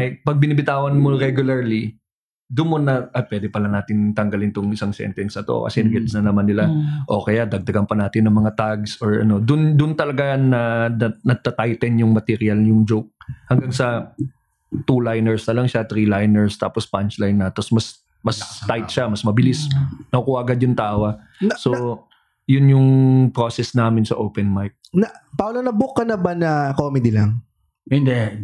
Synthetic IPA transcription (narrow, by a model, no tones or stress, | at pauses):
ʔɐjpɐɡ̚bɪnɪbɪt̪aːwɐnmoɾɛɡjʊlɐɹli | d̪ʊnmonɐʔɐjpwɛːd̪ɛpɐlɐnaːt̪ɪnt̪ɐŋɡɐlɪnt̪ʊŋɪsaŋsɛ̰nt̪ɛnsɐt̪o̰kɐ̰sɛnɐɡɛt̪snɐnɐmanːɪlaʔo̞kɐjad̪ɐɡ̚d̪ɐɡɐnpɐnaːt̪ɪnːɐŋmɐŋat̪aɡsoɹɐ̰no̞d̪ʊnd̪ʊnt̪ɐlɐɡanɐɐnɐt̪ɐt̪ajt̪ɛnjʊŋmɐt̪ɛɾɪɐljʊŋd͡ʒowk̚hɐŋɡaŋsɐ | t̪ulajnɛɹsnɐlɐŋʃat̪ɾilajnɛɹst̪a̰ːpospɐnt͡ʃlajnːɐt̪ɐsmɐs | mɐst̪ajt̪̚ʃamɐsmɐbɪlɪsnɐʊkʊaːɡɐd̪jʊŋt̪aːwɐ | so | jʊnjʊŋpɾoːsɛsnaːmɪnsɐ̰ʔowpɛnmajp̚nɐpawlonɐbʊkːɐnɐbanɐkomɛd̪ilɐŋ | hɪnd̪ɛ